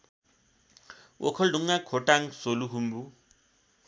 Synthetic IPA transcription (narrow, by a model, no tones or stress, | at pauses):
wʔɔ̰kʰɔlduŋːakʰɔtʼaŋsoluɦumbu